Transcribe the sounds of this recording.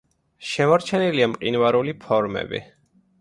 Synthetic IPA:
ʃɛmɔɾt͡ʃʰɛniliamqʼinvaɾulipʰɔɾmɛ̰bḭ

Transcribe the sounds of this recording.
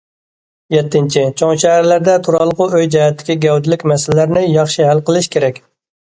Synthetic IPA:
jɛt̪ʰːɪnt͡ʃʰit͡ʃʰoŋʃɛɦæɾlæɾd̪ɛt̪ʰuɾɑlˠəqʊøjd͡ʒɛhɛt̪ʰːɪ̥kʲiɡʲɛwd̪ɪlɪkʲmɛsɪlɪlæɾnɪjɑχʃiɦælqəlˠɨʃkʲʰeɾɛkʲ

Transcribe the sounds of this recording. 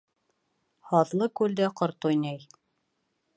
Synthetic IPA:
hɑðlˠɤkʉld̪æqŏɾt̪ujnæj

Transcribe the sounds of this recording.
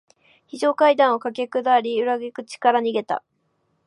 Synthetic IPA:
çiʑo̞ːkaid̪ãɰ̃okakʲekɯ̟d̪aɾʲiɯ̟ɾaɡekɯ̟t͡ɕi̥kaɾaɲ̟iɡe̞t̪a̰

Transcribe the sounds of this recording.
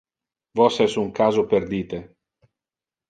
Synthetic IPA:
vɔsɛsuŋkaːzoperd̪iːt̪e

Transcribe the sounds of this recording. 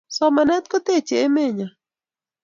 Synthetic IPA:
samanet̪̚kot̪et͡ʃeemeɲa

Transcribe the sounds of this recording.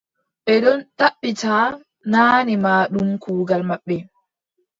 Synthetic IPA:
ɓɛɗɔnɗaɓːitaː | naːnimaːɗumkʰuːɡalmaɓːɛ

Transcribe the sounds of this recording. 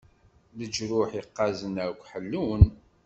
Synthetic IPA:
ləd͡ʒɾʊħiqːɑzənəɾkʷħəlːun

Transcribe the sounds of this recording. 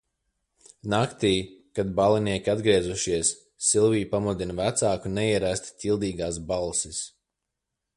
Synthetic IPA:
nakt̪iːjkad̪balˠiniɛkʲiad̪ɡɾiɛzuʃiɛsː | ilˠvijpamud̪invæt̪saːkunɛiɛɾæst̪ʲt̪ʰʲilˠd̪iːɡaːs̬balˠsis

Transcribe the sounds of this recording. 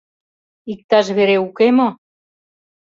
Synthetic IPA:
ik̚t̪ɑʃ̬βeɾeukemo

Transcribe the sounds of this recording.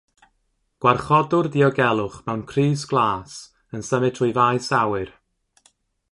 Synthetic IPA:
ɡ̥warχɔdʊrdiɔɡɛlˠʊχmɛwnkʰriːsɡ̥lˠaːs | ənsəmɪtʰujvajsawɨr

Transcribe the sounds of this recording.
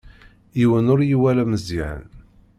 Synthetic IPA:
iwənʊɾjiwælæməziʕə̰n

